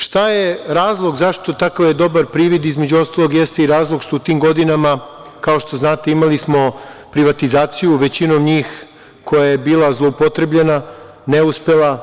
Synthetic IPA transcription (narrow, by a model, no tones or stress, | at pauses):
ʃt̪ajeɾaːzlˠo̞ɡzaʃt̪o̞t̪akaʋje̞d̪o̞baɾpɾiːʋid̪izme̞d͡ʑuo̞st̪alˠo̞ɡjest̪eiɾaːzlˠoɡʃt̪out̪iːmɡo̞d̪inamakaoʃt̪o̞znaːt̪e̞imalismo̞pɾiʋat̪izaːt̪sijuʋe̞t͡ɕinomɲiːx | ko̞jajebiːlˠazlˠo̞upot̪ɾebʎena | neuspelˠa